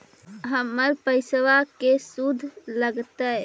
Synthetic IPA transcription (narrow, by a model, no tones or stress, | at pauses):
ɦəmːəɾpəɪsʋakesud̪ʱːləɡt̪ə